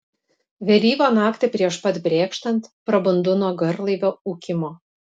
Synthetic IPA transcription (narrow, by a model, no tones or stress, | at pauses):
ʋʲɛlʲiːʋoːnɑːkt̪ʲɪpʲɾʲiɛʃpɐt̪bʲɾʲeːkʃt̪ɐnt̪pɾɐbʊnd̪ʊnoːɡɐɾlˠɐɪʋʲoːuːkʲɪmoː